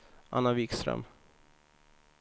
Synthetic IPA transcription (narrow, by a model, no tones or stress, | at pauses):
ʔa̰nːavɪkst̪ɾœ̰m